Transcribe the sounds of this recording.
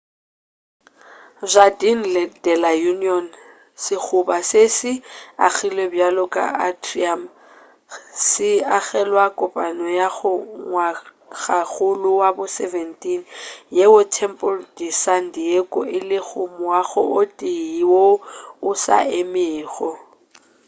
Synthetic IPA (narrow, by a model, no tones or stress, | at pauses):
zʷadin̩lɪd̥ɛlajuniɔn | sɪk͡xʰʊbasesɪa̰k͡xʰilebjalɔkʼa̰a̰driam | sɪaɣɛlwakʼʊpʼanɔjaɣʊŋwa | ɣak͡xʊlʊwabʊsɛvɛntʼinjewʊtʰɛmpʼʊldisandiekʼʊʔɪlɪɣʰʊm̩waɣʊʔʊtʼiiwoʊsa̰ɪmɪːɣɔ